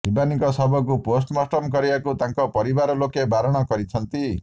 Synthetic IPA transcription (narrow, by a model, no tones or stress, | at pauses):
bibanikɔsʌbʱɔk̬uposʈmasʈɔmkʌɾiakut̪ãŋkɔpʌɾibaɾɔlokebʱaɾɔɽ̃ʌkʌɾit͡sʰʌnt̪i